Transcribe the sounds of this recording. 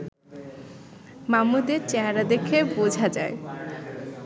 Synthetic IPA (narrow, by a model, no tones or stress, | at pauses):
mamud̪eɾt͡ɕeɦaɾad̪ekʰebod͡ʑʱad͡ʑa̰e